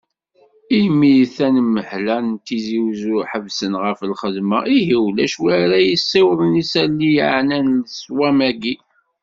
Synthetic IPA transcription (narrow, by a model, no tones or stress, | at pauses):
imijθænmːəħlænt̪iziwzʊɾħəvsənʁəfəlχəðmaʔiɦiwlæʃwæɾæjisːiwðˤənisælːijʕnænləswæmæɡi